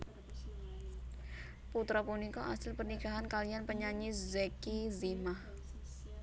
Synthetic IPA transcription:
put̪ɾapunikɔʔa̰sɪlpərnikaɦankalianpəɲaɲiszɛkizimah

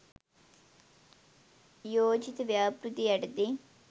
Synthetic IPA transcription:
joːd͡ʒit̪ʋjaːpɾut̪iɐɖd̪i

